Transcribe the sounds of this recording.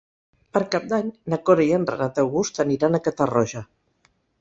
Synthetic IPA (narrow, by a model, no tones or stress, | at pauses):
pəɾkap̚d̪aɲnakoɾaiəndrə̰nat̪əwɣust̪əniɾanəkət̪ərɔʒa